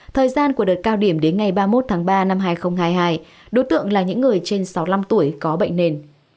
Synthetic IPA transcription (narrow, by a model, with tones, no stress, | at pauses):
t̪ʰəː˨˩jzaː˧nku˧˩əɗə˨˩t̚kaː˧wɗi˧˩əmɗe˨˦nŋa˨˩jɓaː˧mo˦˥t̚t̪ʰaː˨˦ŋɓaː˧na˧mɦaː˧jxə˧wŋ͡mɦaː˧jɦaː˧j | ɗo˨˦jt̪ɨ̰˧˨əŋlaː˨˩ɲɨ̰˧˥ŋːɨ˨˩əjt͡ɕe˧nsa˨˦wla˧mt̪u˧˩əjkɔ˨˦ɓə̰˧˨ŋ̟ne˨˩n